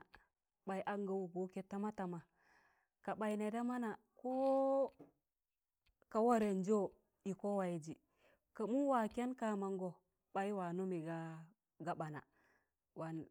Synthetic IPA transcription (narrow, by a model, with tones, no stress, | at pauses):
ɓa˨jʔa˦ŋɡa˨wu˨ɡo˨˦ke˨ta˦ma˦ta˨ma˨ | ka˨ɓa˨i˨ne˨da˦ma˦na˨ | ko˦ | ka˨wa˦ɾe˨n˦d͡ʒo˦˨ | i˨ko˦wa˨i˨d͡ʒi˨ | ka˨mu˦wa˨kʲe˦nka˦ma˨ŋɡo˨ | ɓa˨˦i˦wa˨nu˦mi˨ɡa˦ | ɡa˨ɓa˨na̰˨ | wa˨n